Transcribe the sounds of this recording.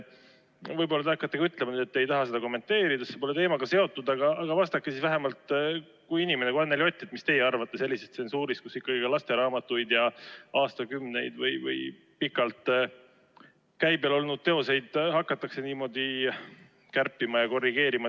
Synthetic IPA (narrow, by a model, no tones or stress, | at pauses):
vɯjbo̞lːɑt̪eɑkːˑɑt̪ːeɡ̥ɑyt̪lemɑnyːd̪et̪ːejt̪ɑɦɑse̞d̪ɑko̞mːe̞nt̪ːe̞ːɾid̪̥ɑsepo̞le̞t̪e̞ːmɑɡ̥ɑse̞o̞t̪ːˑud̪ɑɡɑːɡ̥ɑvɑst̪ɑkːˑesisvæɦe̞mɑlt̪ | kujinime̞nekɑnːelio̞t̪ʲːˑɑt̪mist̪e̞jeɑrvɑt̪ːe̞se̞lːiset̪seonsuːɾiskusikːɑɡikɑlɑst̪e̞ɾɑːmɑt̪ːujd̪̥jɑɑːst̪ɑkymne̞jd̪̥vɯjvɯ̰j | pikːˑɑlt̪ | kæjbelo̞lnud̪̚t̪e̞o̞se̞jd̪̥hɑkːˑɑt̪ːˑɑkse̞niːmo̞d̪̥i | kærpːˑimɑjɑko̞rːiɡe̞ːɾimɑ